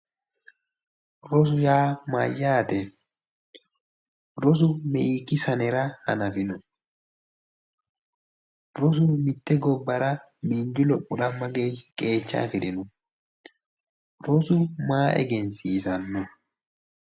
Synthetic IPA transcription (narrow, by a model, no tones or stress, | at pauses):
ɾɔs̬ʊjaːmajːaːt̪ɛ | ɾɔs̬ʊmɛʔiːkːɪsɐnɛɾɐhɐ̰nɐfɪnɔ | ɾɔs̬ʊmɪt̪ːɛɡɔbːɐɾɐ | miːnd͡ʒʊlɔpʼːʊɗɐmːɐɡeːkʼe̞ːt͡ʃːa̰ːfɪɾɪnɔ | ɾɔsʊmaːʔɛ̰ɡɛnsiːsɐnːɔ